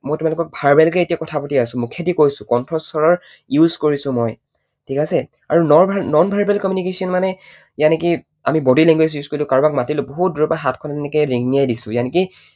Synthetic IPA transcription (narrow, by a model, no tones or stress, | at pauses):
mojtumalʊkɔk̚bʱaɹbɛlkɛetijakɔtʰapatiasʊ̃mʊkʰːetikojsʊ̃kɔntʰɹɔsɔɹɔɹ | juzkoɹisʊ̃moj | tʰikasɛ | a̰ɹunɔbʱnɔnbʱaɹbɛlkɔmjunikesiɔnmanɛ | janɛki | amibɔdileŋɡwes̬juz̥koɹilʊkaɹbakmatilʊboɦut̚duɹɔpaɦatʰkʰɔntɛnɛkɛɹiŋniajdisʊ̃janɛki